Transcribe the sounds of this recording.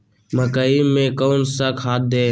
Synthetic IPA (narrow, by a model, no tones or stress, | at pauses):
məkaːiːmːẽːkoːnsəkʰɦaːt̪̚d̪eː